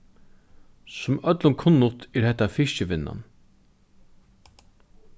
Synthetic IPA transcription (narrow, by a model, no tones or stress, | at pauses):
sʊmœt̪lʊnkʰʊnːʊt̪ɛɾhɛht̪ːafɪʃt͡ʃəʋɪnːa̰n